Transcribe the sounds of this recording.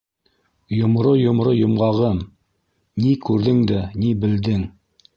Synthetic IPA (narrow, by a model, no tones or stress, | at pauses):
jŏmɾojŏmɾojŏmʁɑʁɤm | nikʉɾðɘŋd̪ænibɘ̆ld̪ɘŋ